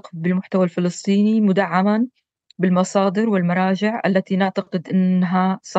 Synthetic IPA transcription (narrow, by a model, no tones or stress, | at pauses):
qbɪlmʊħt̪awalfɪlɨsˤt̪ˤiːnimʊd̪aʕːaman | bɪlmɑsˤɑːd̪ɨɾwɪlmɑɾˤɑːd͡ʒɪʕʔa̰lːat̪inaʕt̪aqɪd̪ʔɪnːɦasˤɑ